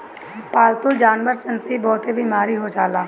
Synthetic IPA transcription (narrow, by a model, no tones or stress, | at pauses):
paːlt̪ʊld͡ʒaːnʋəɾsənsibɔːt̪ebʱiːmaːɾiɦod͡ʒaːlaː